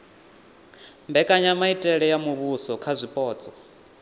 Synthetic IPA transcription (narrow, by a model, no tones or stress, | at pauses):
mbɛkʼaɲamaitʼɛɺɛjamuβusɔkʰazʷipʼɔːt͡sʼɔ